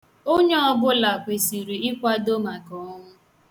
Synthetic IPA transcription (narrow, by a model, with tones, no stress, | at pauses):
o˦ɲe˦ɔ˦bʊ˦la˨kʷe˨si˨ɾi˨ɪ˦kʷa˦do˦ma˨kɔ˨˦ŋʊ˦